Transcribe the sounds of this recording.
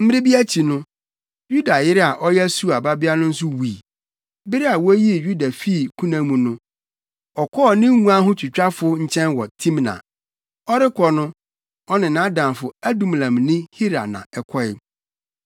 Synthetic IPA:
m̩˦mɪ˦ɾɪ˦bi˦æ˦t͡ɕʰi˨nʊ̃˦ | ju˦da˨jɪ˦ɾɪ˦a˨ʔɔ˦jɛ˦su˦a˨ba˦bɪ˦a˦nʊ̃˦n̩˦s̬ʊ˦wi˨ | bɪ˦ɾɪ˦a˨wɔ˦æ˦ji˦˨ju˦da˨fi˦˨kʰũ˦nã˦mũ˨nʊ̃˦ | ɔ˨kʰɔ˦˨nɪ̃˦ũ˦a˦ɦʊ̃˦t͡ɕʰᶣi˨t͡ɕᶣa˦fʊ˦ɲ̩˦t͡ɕʰɛ̃˦nwɔ˨tʰĩ˦mnã̰˨ | ɔ˦ɾɪ˦kʰɔ˨nʊ̃˦ | ɔ˦nɪ̃˨nã˨˦dã˨n˨fʊ˨æ˦dũ˨m˨lã˨mnɪ̃˦hi˦ɾa̰˨nã̰˨ɛ˨kʰɔ˦ɪ˦

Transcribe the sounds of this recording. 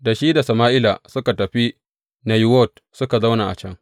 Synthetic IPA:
da˨ʃi˦da˨sɐ˨maː˦ʔɪ˦la˨sʊ˦ka˨tɐ˨ɸi˦ | na˨jwɔ˦˨t̚ | sʊ˦ka˨za˦wna˨ʔa̰˨t͡ʃɐ˦ŋ

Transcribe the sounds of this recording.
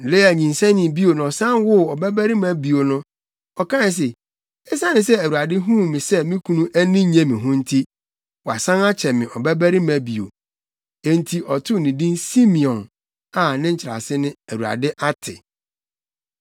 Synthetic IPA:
le˦a˨ɲĩ˨nsɛ̃˦nːɪ̃˨bi˦o˨nʊ̃˨sã˦nwʊ˦ɔ˨bæ˦bæ˦ɾi˦m˨æ˨bi˨o˨nʊ̃˦ | ɔ˨kʰã˦˨s̬e˨ | ɛ˦sã˦nɪ̃˨s̬ɛ˦æ˨wu˨a˨dɪ˦ɦũ˦˨mɪ̃˨sɛ˦mĩ˦kʰũ˦nũ˦ʔæ˦nĩ˦ɲẽ˦mɪ̃˨ɦʊ̃˦n̩˦tʰi˦ | wɔ˨a˨sã˦na˦t͡ɕʰɛ˨mɪ̃˨ʔɔ˨bæ˦bæ˦ɾi˦m˨æ˨bi˨o̰˨ | ẽ˨n˨tʰi˦ʔɔ˨tʰʊ˦˨nĩ˨dĩ˦nsi˦mĩ˨ɔ̃˨n | a˨nɪ̃˦ɲ̩˦t͡ɕʰɪ˨ɾa̰˨sɪ˦nɪ̃˦æ˨u˨a̰˨dɪ˦ʔa˦tʰɪ̰˨

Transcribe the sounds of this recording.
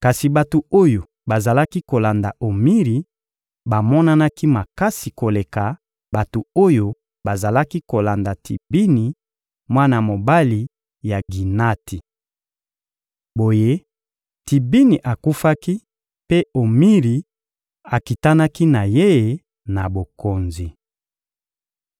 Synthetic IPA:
ka˨si˨ba˨to˨o˦jo˨ | ba˨za˨la˦ki˦ko˨la˨nda˨ʔo˨mi˦ʁi˨ | ba˨mɔ˦na˦na˦ki˦ma˨ka˦si˨ko˨le˨ka˨ | ba˨to˨o˦jo˨ | ba˨za˨la˦ki˦ko˨la˨nda˨tʰi˨bi˦ni˨ | mwa˦na˨mo˨ba˦li˨ | ja˨ɡi˨na˦ti˨ | bo˨je˦ | ti˨bi˦ni˨ʔa˨ku˦fa˦ki˦ | pe˦o˨mi˦ʁi˨ | a˨ki˨ta˦na˦ki˦na˨je˦je˨ | na˨bo˨ko˨nzi˨

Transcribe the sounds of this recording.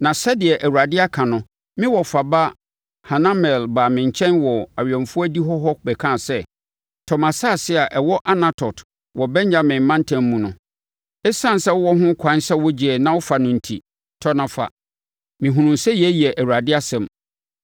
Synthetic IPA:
nã˨sɛ˦dɪ˨ɛ˨ʔæ˨wu˨ɾa˨dɪ˦a˦kʰã˨nʊ̃˨ | mɪ̃˦wɔ˨fa˨ba˦ | ha˨nã˦mɛ˨lbaː˨mɪ̃˨ɲ˨t͡ɕʰɛ̃˦nwɔ˨a˨ɥɛ̃˨m˨fʊ˦a˦di˦ɦɔ˦ɦɔ˦bɛ˨kʰã˦˨sɛ˦ | tʰɔ˨mã˨sa˦˨sɪ˦a˨ʔɛ˨wɔ˦ʔa˦nã˨tʰɔ˨t | wɔ˨bɛ̃˦nː˦ã˨mɪ̃˨mmã˦n˦tʰã˨m˦mũ˨nʊ̃˨ | ɛ˦sã˦n˨sɛ˦wwɔ˦ɦʊ̃˦kʷʰã˨˦nsɛ˦wɔ˦d͡ʑi˨ɛ˨nã˨wʊ˦fa˨nʊ̃˨n̩˨tʰḭ˨ | tʰɔ˦nã˨fa̰˨ | mɪ̃˨ɦũ˨nʊ̃˨nsɛ˦jɛ˦ji˨ɛ˨ʔæ˨wɾa˨dɪ˦a˦sɛ̃˨m

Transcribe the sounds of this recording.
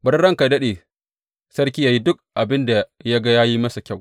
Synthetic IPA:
bɐ˦ɾɐ˦ɽɐ˦ŋka˨jdɐ˦ɗeː˨ | sɐ˦rkʲiː˦jaː˨ji˦dʊ˦k̚ʔa˨bɪ˦nda˨ja˦ɡa˦jaː˦ji˦mɐ˦sa˨kʲa˦˨w

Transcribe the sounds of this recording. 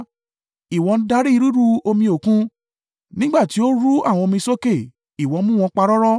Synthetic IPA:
i˨w̃ɔ̃˧n̩˦da˦ɾi˦i˧ɾu˦ɾu˦o˧mĩ˧o˨kũ˦ | nĩ˦ɡ͡ba˦˨ti˨˦o˦ɾu˦a˦˨w̃ɔ̃˧o˧mĩ˧so˦ke˦˨ | i˨wɔ̃˧˦mũ˦w̃ɔ̃˧k͡pa˧ɾɔ˦ɾɔ˦

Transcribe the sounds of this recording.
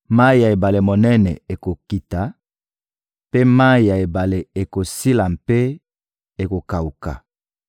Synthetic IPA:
ma˦i˨ja˨e˨ba˨le˨mo˨nɛ˦nɛ˨e˨ko˨ki˨ta˨ | pe˦ma˦i˨ja˨e˨ba˨le˨e˨ko˨si˦la˨mpe˦ | e˨ko˨ka˨u˨ka̰˨

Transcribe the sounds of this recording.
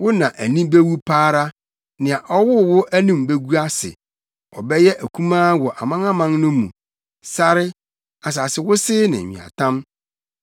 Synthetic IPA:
wʊ˦nã˨ʔæ˨nĩ˦be˦wu˦pʰaː˦ɾa˦ | nɪ̃˨a˨ʔɔ˦wʊ˦˨wʊ˦ʔæ˦nĩ˦˨mbe˦ɡu˦a˦sɪ̰˨ | ɔ̰˨bɛ˦jɛ˦ʔæ˨kʰu˦mãː˦wɔ˨ʔa˨mã˦ŋã˦mã˦ŋnʊ̃˦mṵ̃˨ | sa˦ɾɪ˦ | a˨s̬aː˨sɪ˦wʊ˦sɪː˦nɪ̰̃˨ḭ̃˨a̰˨tʰã˦m

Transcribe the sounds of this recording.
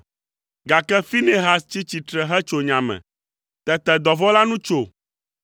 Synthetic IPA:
ɡa˨kɛ˦fi˦ne˨ɦa˨st͡ɕi˦t͡ɕi˨t̪ɾɛ˨ɦɛ˦t͡ʃo˨ɲã˨mɛ̰̃˨ | t̪ɛ˨t̪ɛ˨d̪ɔ˨vɔ˦la˦nũ˦t͡ʃo˦

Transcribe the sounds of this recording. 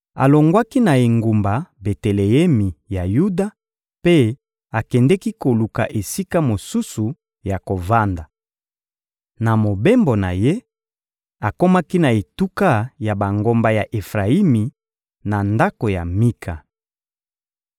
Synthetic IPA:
a̰˨lo˨ŋɡwa˦ki˦na˨e˨ŋɡu˨mba˨be˨te˨le˨e˦mi˨ja˨ju˦da˦ | pe˦ | a˨kɛ˨ndɛ˦ki˦ko˨lu˨ka̰˨ʔe˨si˦ka˦mo˨su˦su˨ | ja˨ko˨va˦nda˨ | na˨mo˨be˦mbo˨na̰˨je˦ | a˨ko˦ma˦ki˦na˨e˨tu˦ka˦ja˨ba˨ŋɡo˦mba˦ja˨ʔe˨fʁa˨i˦mi˨ | na˨nda˦ko˨ja˨mi˦kʰa˨

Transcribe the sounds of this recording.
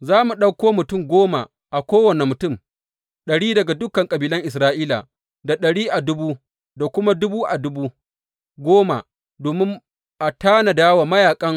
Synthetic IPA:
zaː˦mu˨ɗɐ˦wkʷoː˦mʊ˨tʊ˦˨mɡʷoː˦ma̰˨ | ʔa˨kʷoː˦wɐ˨ne˨mʊ˨tʊ˦˨m | ɗɐ˨ɽiː˦dɐ˨ɡa˨dʊ˦kɐ˨ŋkʼɐ˨biː˨lɐ˦ŋʔɪ˨s̬ɾaː˦ʔiː˦la̰˨ | da˨ɗɐ˨ɽiː˦ʔa˨dʊ˦buː˦ | da˨kʷʊ˦ma˦dʊ˦buː˦ʔa˨dʊ˦buː˦ | ɡʷoː˦ma˨ | doː˨mɪ˦ŋ | ʔa˨taː˦na˨daː˦wa˨mɐ˦jaː˨kʼɐ˦ŋ

